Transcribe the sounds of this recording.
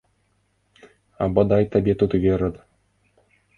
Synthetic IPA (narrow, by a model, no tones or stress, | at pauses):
ɑ̰bɑd̪ɑjt̪ɘ̆bʲet̪ut̪ʋʲeɾʲɤ̆t̪